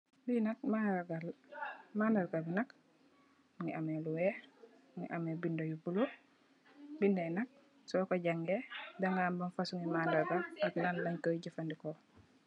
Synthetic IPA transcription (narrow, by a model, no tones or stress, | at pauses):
binak̚maaɡalmaːndaɾɡabinak | ŋiameluwɛ | ŋḭʔamebindojubulo | bindɛnak̚ | sɔkoɟaŋɡedaŋɡambanfasuŋimandaɾɡaaklanlaɲkoɟifandiko